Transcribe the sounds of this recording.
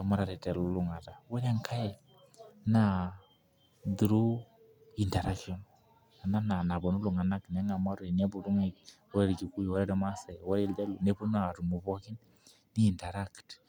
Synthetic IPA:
a˨ma˦ɾa˨ɾɛ˨tɛ˨lu˦lu˦ŋa˨ta˨wɔ˦ɾa˦ŋkʰa˦jɛ˨ | na˨ | du˨ɾu˦ | i˨ntɛ˨ɾa˦kɔ˦n | a˨na˦na˨na˨bɔ˨nu˦lu˨ŋa˨na˦kn˨a˦ŋa˨ma˦ɾi˨ne˦bu˨du˦ŋa˦wɔ˦ɾɛ˦ɾi˨ki˨ku˦jwɔ˦ɾɛ˦ɾi˨˦ma˦sɛ˨wɔ˦ɾi˦˨ldɛ˦lu˨ne˦pu˦na˦˨ɾu˨mu˨bɔ˦ki˦n | ni˦i˨ntɛ˨ɾa˦kt

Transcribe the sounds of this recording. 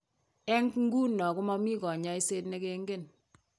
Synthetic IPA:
ɛ˦ŋkŋ̩˦ɡu˦nːɔ˨kʊ˦mɔ˦mi˦kɔ˨ɲa˦i˦se˦tne˦ke˦ŋɡe˦˨n

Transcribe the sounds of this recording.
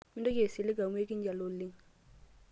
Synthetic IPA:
mɪ˦ndo˦ke˨sɪ˨lɪ˦ɡa˨m˦e˦k̬ɪ˦ɲ˦d͡ʒa˨lo˦˨lɪ˦ŋ

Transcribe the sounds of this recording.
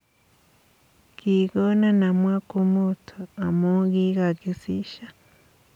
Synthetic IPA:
ɡ̥i˨ɡo˦na˦na˨mwa˦ku˦mu˦tʰu˨a˨mu˦ɡi˦ɡa˨ɡi˨si˦ʃa˨

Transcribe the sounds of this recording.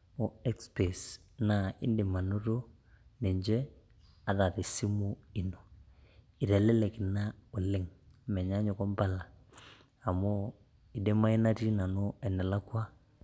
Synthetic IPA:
mo˨ɛ˦kspe˨s | na˦ɪ̰˦nde˨ma˨no˦ɾo˦ | ne˨ɲd͡ʒɛ˦ | a˨ða˨ðɪ˨si˦mu˦i˨no˨ | i˨ɾɛ˨lɛ˦lɛ˨ki˨na˦o˨lɪ˦ŋmɛ˨ɲa˦ɲo˨kɔ˦mba˦laː˨ | mo˦ | i˨de˦ma˦i˦na˦ti˦na˨no˦ɛ˨nɛ˨la˦kwa˦

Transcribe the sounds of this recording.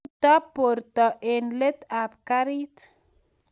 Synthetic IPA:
t̪a˦po˨ɾt̪ɔʔenle˦t̪a˨pkaɾit̪

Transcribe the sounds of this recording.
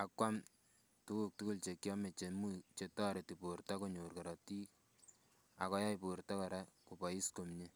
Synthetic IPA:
a˦kwa˦m | tu˦ku˨k̚tu˦ku˦lt͡ʃe˨kjɔ˦me˨t͡ʃe˨mu˦t͡ʃe˦tɔ˦ɾe˨ti˨po˨rta˦ko˦ɲo˨rka˨ɾɑ˨ti˦ | a̰˨kɔ˦ja˦iportɔ˦kɔ˨ɾa˦ku˨pɔ˨i˦sko˨mɲe˦

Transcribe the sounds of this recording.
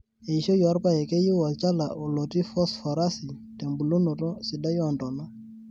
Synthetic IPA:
e˨i˨ʃo˦jɔ˨˦ɾpa˦˨ɛ˨ke˦ji˦wɔ˨t͡ʃa˦la˨ʔo˨lo˨ti˦fɔ˦sfɔ˨ɾa˦si˨ | te˨mbu˨lo˦no˨tɔ˦sɪ˨da˦jɔ˨ndɔ˨nɔ˦

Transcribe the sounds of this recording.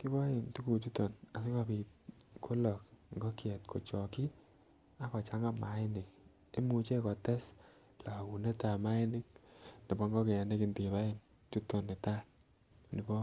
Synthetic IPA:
ki˦bɔ˦jɪ˨ntu˦ku˨t͡ʃu˦to˨na˨s̬i˦ka˧pi˨t̚ | kʰo˦lɔ˨kŋɡɔ˦kjɛ˨t̚kʰo˨t͡ʃɔ˨ki˦ | a˦kɔ˨t͡ʃa˦ŋa˦ma˨ɪ˦nɪ˨k̚ | e˦mu˨t͡ʃe˦kɔ˨tɛ˦s | la˨ku˨ne˦ta˨ma˦ɪ˦nɪ˦k̚ni˨bɔ˦ŋɡɔ˦ke˨ɛ˨ne˦ki˨ntːba˦ɪ˦n | t͡ʃu˦to˨nɪ˨ta˦ | nɪ˨bɔ˦

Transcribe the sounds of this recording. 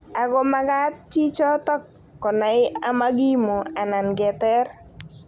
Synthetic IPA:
a˨ɡɔ˦ma˦ɡa˦t̚t͡ʃi˦t͡ʃɔ˦tɔ˦kː | ɔ˨na˨˦ɪ˦a˦ma˦ɡi˦mo˨a˨na˨nɡɛ˨tɛ˦r

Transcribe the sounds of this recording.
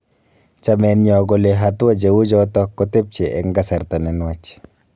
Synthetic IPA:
t͡ʃa˨mɛ˨nɲɔ˨ɡɔ˨leɦatu˦wa˦d͡ʒe˨wu˦d͡ʒɔtɔ˦kːɔte˦p̚t͡ʃe˨ʔɛ˨ŋɡa˦sɛ˨ɾta˨nɛ˨nwat͡ʃ

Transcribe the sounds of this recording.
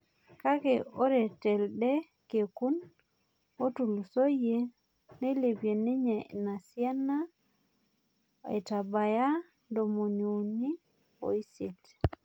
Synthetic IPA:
ka˦keo˦ɾe˨tɛ˨lɗɛ˦ | ke˨ku˦n | o˦tu˨lu˨so˦je˦ | ne˦le˨pe˨ne˦ɲe˨na˨si˦a˦na˦ | ḛ˨ta˨ba˨ja˦ | ndo˨mo˨ɲu˨ni˦ | o̰˨i˦se˨t

